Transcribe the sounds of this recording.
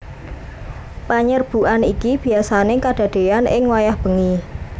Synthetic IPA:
paɲərb̥ṳʔanikib̥i̤asanekaɖ̥a̤d̥e̤anʔɪŋwajahb̥ə̤ŋi

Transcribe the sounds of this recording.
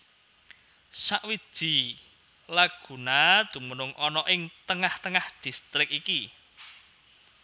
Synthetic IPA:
saʔwid̥ʒ̥i̤ | laɡ̥ṳnad̪̥ṳmənʊŋʔɔnɔʔɪŋt̪əŋaht̪əŋahd̥i̤st̪ɾɪk̚iki

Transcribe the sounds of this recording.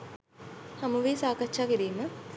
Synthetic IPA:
hamuʋiːsaːkatt͡ʃːaːkiɾiːmə

